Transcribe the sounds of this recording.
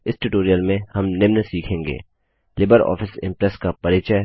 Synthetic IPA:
ɪsʈuːʈoːɾijəlmẽhɐmnɪmnəsiːkʰẽːŋɡḛː | lɪbəɾɔ̰ːfɪsɪ̰̃mpɾɛskapɐɾɪːt͡ʃə

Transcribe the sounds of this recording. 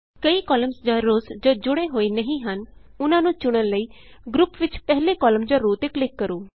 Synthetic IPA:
kəiːkɔːləmsd͡ʒaːɾoːsd͡ʒoːd͡ʒʊɽeːɦoːiːnəɦĩːɦənʊnãːnũːt͡ʃʊɽ̃ənləiːɡɾʊpʋɪt͡ʃpɛɦleːkɔːləmd͡ʒaːɾoːt̪eːklɪkːəɾuː

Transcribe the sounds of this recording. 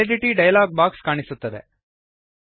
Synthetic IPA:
eɖiʈiɖɐjɐlaːɡ̚baːkskaːɳisut̪ːɐd̪ḛ

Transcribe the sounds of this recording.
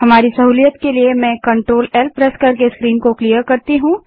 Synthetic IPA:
ɦɐmaːɾisɐɦuːlijət̪keliemɛ̃ːkɐ̃ɳʈɾoːlɛlpɾɛskɐɾkeskɾiːnkoklijəɾkɐɾt̪iɦũ

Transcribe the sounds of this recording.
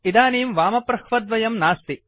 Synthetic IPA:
id̪aːniːmʋaːmɐpɾɐhʋɐd̪ʋɐjɐmnaːst̪i

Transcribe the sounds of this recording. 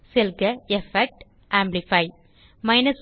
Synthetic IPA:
silkɨefek̚ʈ | aːmblifɐj | mɐjnɐs

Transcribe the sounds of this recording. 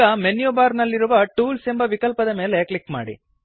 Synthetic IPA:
ɐmenjubaːɾnɐlːiɾuʋɐʈuːlsembɐʋikɐlpɐd̪ɐmeːleklikma̰ːɽḭ

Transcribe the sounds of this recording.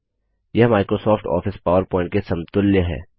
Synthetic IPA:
jɐɦmaːɪkɾoːsɔːfʈɔ̰ːfɪspaːʋəɾpɔ̃ːɪ̃ɳʈ̚kesɐ̃mt̪ʊljəɦɛ̰ː

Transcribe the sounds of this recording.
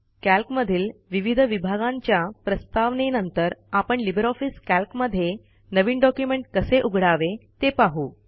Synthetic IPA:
kælkməd̪ʱiːlʋiʋid̪ʱəʋibʱaɡãɲt͡ɕjapɾəst̪aʋnenənt̪əɾapəɳlibəɾɔfiskælkməd̪ʱːje | nəʋiːnɖɔkjumeɳʈkəseʔuɡʱɽaʋet̪epaɦuː

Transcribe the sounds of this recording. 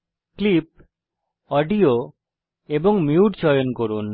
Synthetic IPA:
klip̚ | ɔɖio | eboŋmiuʈt͡ɕɔjonkoɾun

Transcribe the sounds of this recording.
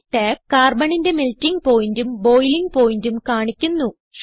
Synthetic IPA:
ʈːeːkkaːrbɐɳinde̞miltːiŋɡpo̞ːjndumbo̞ːjliŋɡ̚po̞ːjindumkaːɳikʲːunːu

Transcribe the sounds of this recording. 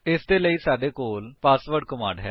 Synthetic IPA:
ɪsd̪eːləiːsaːɖeːkoːlpaːsʋəɾɖ̚kəmãːɳɖɦɛː

